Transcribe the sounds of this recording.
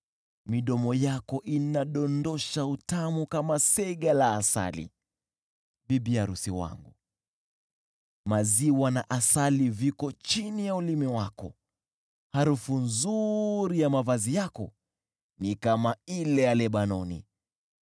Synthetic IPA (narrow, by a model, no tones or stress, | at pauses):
miɗɔmɔjakɔʔinaɗɔndɔʃautamukamasɛɠalaːsa̰lḭ | ɓiɓiaɾusiwa̰ŋɡu | maziwanaʔasalivikɔt͡ʃinijaulimɛwakɔ̰ | haɾufunzuɾijamavazijakɔ̰ | nikamailɛjalɛɓanɔnḭ